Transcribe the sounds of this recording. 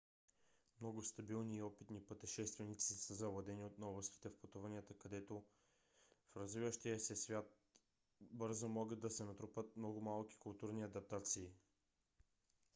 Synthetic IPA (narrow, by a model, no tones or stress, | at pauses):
mnɔɡʊst̪ɐbilˠniːɔpit̪nipət̪ɛʃɛst̪vɛnit̪sisəzɐvlˠɐd̪ɛniot̪nɔbˠɐst̪i̥t̪ɛfpɐt̪uvaniət̪əkɐd̪ɛt̪o | fɾɐzvivəʃt̪iəsɛsvʲjat̪̚ | bɤɾzomɔɡəd̪̚ɐsɛnɐt̪ɾupət̪mnɔɡʊmalˠk̟i̥kʊlˠt̪uɾniɐd̪ɐp̚t̪at̪siː